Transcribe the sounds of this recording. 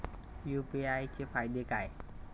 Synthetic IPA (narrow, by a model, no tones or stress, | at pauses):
juːpiʔajt͡ɕepʰad̪ekaj